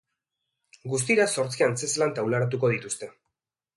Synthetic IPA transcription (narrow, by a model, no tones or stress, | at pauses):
ɡus̬t̪iɾaso̞ɾt͡sianse̞slant̪awlaɾat̪uko̞ð̞it̪ust̪e̞